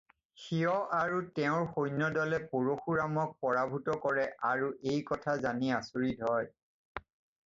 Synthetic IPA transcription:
xiɔʔaɹutɛʊ̃ɹxojnɔdɔlɛpoɹoxuɹamɔk̚pɔɹabʱutɔkɔɹɛʔaɹuʔejkɔtʰazaniasuɹidʱɔj

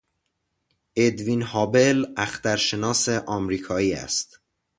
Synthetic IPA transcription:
ʔed̪vinhɒːbe̞læxt̪æɾʃe̞nɒːse̞ʔɒːmɾiːkʰɒːiːæ̰st̪

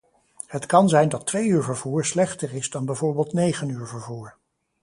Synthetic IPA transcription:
hətkɑnzɛjndɑtʋejyːɹvəɹvuːɹslɛχtərɪzdɑnbɛjvoːɹbeːlˠtnejχənyːɹvəɹvuːɹ

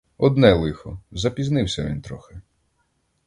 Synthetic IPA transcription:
ɔd̪nɛlˠɪxɔzɐpʲiznɪwsʲɐʋʲḭnt̪ɾɔxɪ

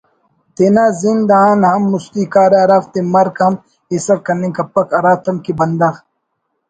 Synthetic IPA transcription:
t̪enaːzind̪aːnhɐmːust̪iːkaːɾeɐɾaft̪emɐɾkɐm | isɐɾkɐnẽkɐpːɐkɐɾaːt̪ɐmkibɐnd̪ɐx

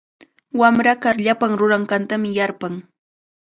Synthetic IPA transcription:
wamɾakaɾʎapaŋɾʊɾaɴɢant̪amɪjaɾpaŋ

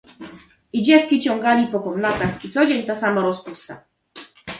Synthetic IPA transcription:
id͡ʑɛt̪kʲit͡ɕɔŋɡalʲipɔkɔmnat̪axit̪sɔd͡ʑeɲt̪asamaɾɔspust̪a̰

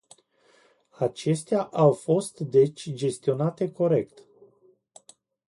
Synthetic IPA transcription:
at͡ʃe̞st̪eaʔawfo̞st̪d̪e̞t͡ʃʲd͡ʒe̞st̪io̞nat̪e̞ko̞ɾe̞kt̪

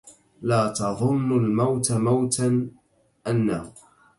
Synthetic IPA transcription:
laːt̪ɑðˤʊnːalmawt̪amawt̪a | ʔanːahʊ

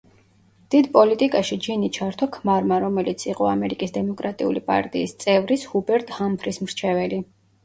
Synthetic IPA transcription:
d̪̥id̪pʼɔlit̪ʼikʼaʃid͡ʒinit͡ʃʰaɾt̪ʰɔkʰmaɾmaɾɔmɛlit̪sʰiqʼɔamɛɾikʼisd̪ɛmɔkʼɾat̪ʼiṵlipʼa̰ɾt̪ʼḭːst̪sʼɛvɾishubɛɾt̪ʼhampʰɾismɾt͡ʃʰɛvɛli

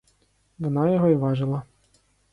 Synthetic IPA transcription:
ʋɔnɑjɔɦɔiʋɑʒɪlˠɐ

